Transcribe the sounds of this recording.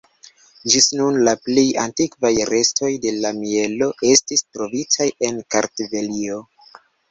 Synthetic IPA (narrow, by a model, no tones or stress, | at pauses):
d͡ʒisnunlaple̞ja̰ntikvajɾe̞stʰo̞jde̞lamie̞lo̞ʔe̞stistɾo̞vitaje̞nkaɾtve̞lio̞